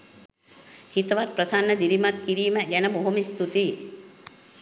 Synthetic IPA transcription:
hit̪ʋaːt̪̚pɾɐsaːnːɐd̪iɾimat̪̚kiɾiːmɛɡɛnɐboɦumist̪ut̪i

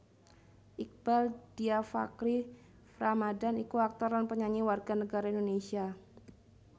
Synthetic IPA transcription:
ʔik̚b̥ald̥iafa̰kɾi | fɾamadanikuak̚t̪ɔɾanpəɲaɲiwarɡanəɡaɾaindonesia

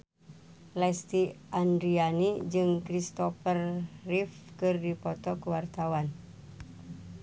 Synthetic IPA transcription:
lɛst̪iʔandɾianid͡ʒɨŋkɾist̪ɔfərːifkɨrdipɔt̪ɔkuwart̪awan

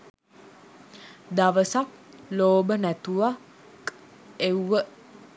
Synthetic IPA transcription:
d̪aʋəsak | loːbənæt̪uʋa | k | euʋə

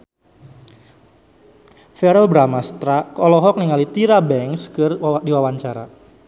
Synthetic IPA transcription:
fɛɾɛlbɾamast̪ɾakɔlɔɦɔk̚niŋalit̪iɾabɛŋskɨrdiwawaɲt͡ʃaɾa̰

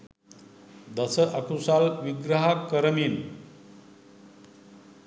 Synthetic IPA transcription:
d̪əsəʔɐkusalʋiɡɾəɦakəɾmiːn

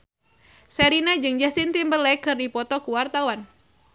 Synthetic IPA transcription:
sɛɾinad͡ʒɨŋd͡ʒasint̪imbəlɛkɨrdipɔt̪ɔkuwart̪awan

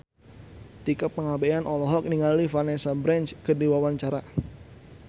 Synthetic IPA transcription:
t̪ikəpːəŋabeanʔɔlɔɦɔk̚niŋalifanɛsabɾɛnt͡ʃkədiwawaɲt͡ʃaɾa

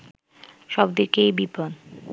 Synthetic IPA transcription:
ʃɔbd̪iɾkejbipon

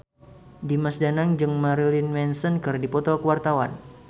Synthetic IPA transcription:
dimasdanaŋd͡ʒɨŋmaɾilinmɛnsɔnkɨrdipɔt̪ɔkəwart̪awa̰n

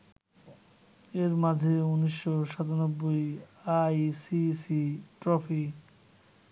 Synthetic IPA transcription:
eɾmad͡ʑʱeuniʃːoʃat̪onobːojajsisiʈɾɔfik

